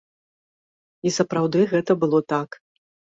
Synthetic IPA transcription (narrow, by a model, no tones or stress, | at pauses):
isɐpɾawd̪ɨɣɛt̪ɐbɨlˠɔt̪ak